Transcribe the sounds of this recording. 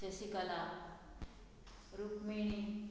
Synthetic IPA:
esikala | ɾukmeñi

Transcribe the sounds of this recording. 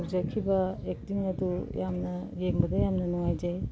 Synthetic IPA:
kzakʰibɐek̚tiŋɐdujamnɐɡeŋbɐdɐjamnɐnuŋajd͡ʒaj

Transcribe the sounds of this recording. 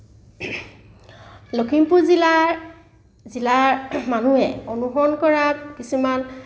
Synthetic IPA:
lokʰimpuɹzila | zilaɹmanuɛonuɦɔnkɔɹakisuman

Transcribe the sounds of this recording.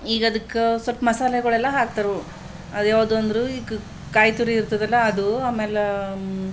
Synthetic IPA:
iːɡɐd̪ɐkːesʋɐlpɐmɐsaːlɐɡɐɭɛlːɐɦaːk̚t̪ɐɾu | ɐd̪jaːʋɐd̪uɐnd̪ɐɾuiɡ | kaːjt̪uɾiːɾt̪ɐd̪ɐlːɐːd̪uaːmeːle

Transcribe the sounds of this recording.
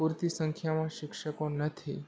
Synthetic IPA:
uɾt̪isəŋkʰjamãʃɪkʃəkonət̪ʰi

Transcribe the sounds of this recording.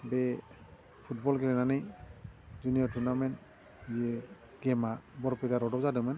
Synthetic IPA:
bɛ | pʰut̚bɔlɡɛɾɛnanɯj | zunijɔɹtʰunamɛn | zi | ɡ̥ɛmabɔɾpɛtaɾɔdɔpzadɯmɛn

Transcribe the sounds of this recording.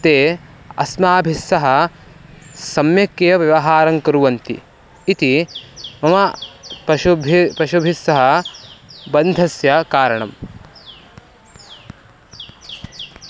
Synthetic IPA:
t̪eː | ɐ̰smaːbʱisːɐɦɐ | sɐmjɐkːeːɐʋjɐʋɐɦaːɾɐŋkɐɾuʋɐnt̪ḭ | it̪imɐmɐpɐʃubʱpɐʃubʱisːɐɦɐ | bɐnd̪ʱɐsjɐkaːɾɐɳɐm

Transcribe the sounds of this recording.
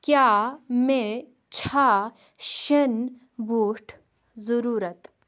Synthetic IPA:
kjaːmẽ | t͡ʃʰa | ʃɐn | bʱuːʈʰ | zəɾuːɾət̪

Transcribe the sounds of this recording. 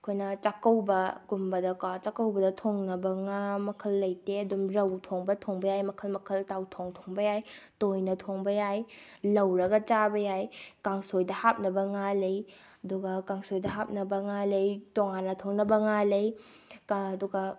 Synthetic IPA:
ɐkʰojnɐt͡ʃakɐwbɐkumbɐdɐkat͡ʃakɐwbɐdɐtʰoŋnɐbɐŋamɐkʰɐlːɐjteɐdumɾɐwtʰoŋbɐtʰoŋbɐjajmɐkʰɐlmɐkʰɐltawtʰoŋtʰoŋbɐjajtojnɐtʰoŋbɐjaj | lɐwɾɐɡɐt͡ʃabɐjajkaŋsojdɐhap̚nɐbɐŋalej | ɐduɡɐkaŋsojdɐɦap̚nɐbɐŋalejtoŋanːɐtʰoŋnɐbɐŋalej | duɡɐ

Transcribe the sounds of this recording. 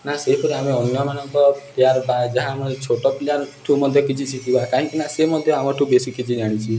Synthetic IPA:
naseɦipɔɾiameɔnjɔmanɔŋkɔpljaɾbad͡ʒaɦãmɔt͡ʃʰoʈɔpljaɾʈʰumɔd̪ʱjɔkit͡ʃʰit͡ʃʰit̪ibakaɦĩkinasemɔd̪ʱjɔamɔʈʰubesikit͡ʃʰid͡ʒaɽ̃it͡ʃʰi

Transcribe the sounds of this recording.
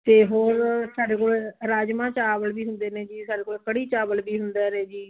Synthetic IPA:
t̪eːɦoːɾsaːɖeːkoːleːɾaːd͡ʒmãːt͡ʃaːbəlbiːɦʊnd̪eːnẽːd͡ʒiːsaːɖeːkoːeːkəɽiːt͡ʃaːbəlbiːɦʊnd̪aːɾeːd͡ʒiː

